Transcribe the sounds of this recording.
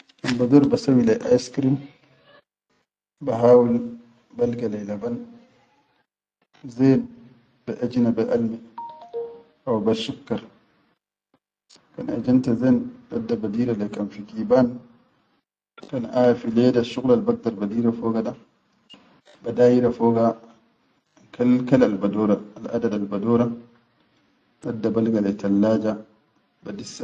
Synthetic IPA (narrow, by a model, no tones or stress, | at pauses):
kanbadɔɾbasawilɛʔajskɾin | baɦaːwul | balɡalɛjlaban | zɛːn | bɛʔad͡ʒinabɛʔalmi | ʔawbaʃukːaɾ | kana̰d͡ʒantazɛnɗadːabadiːɾalɛkanfiɡiːbaːn | kanʔaːjafilɛːdaʃuɣlalbak̚daɾbadiːɾafɔːɡada | badaːjiɾafɔːɡa | kalkalalbadɔːɾaalʔadadalbadɔːɾa | ɗadːabalɡalɛtalːaːd͡ʒa | badisa